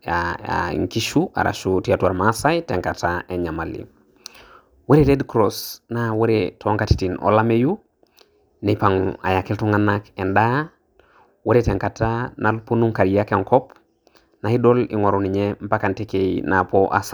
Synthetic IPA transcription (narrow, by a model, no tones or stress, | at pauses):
ḭŋkiʃua̰ɾa̰ʃutiatuaɾmasajteŋkataeɲamalḭ | weɾeɾedkɾosnaweɾetʰoŋkati̥tino̰lameju | nepaŋa̰jakeltuŋanakenda | weɾeteŋkatanalponuŋkaɾjakeŋkɔp | nahidolḭŋoɾuniɲem̩pakantekeinapoʔa̰s